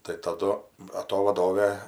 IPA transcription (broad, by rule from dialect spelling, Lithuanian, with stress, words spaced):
tɐɪ tɐˈdʊ bɐ ˈtoː ʋɐˈdoːʋʲeː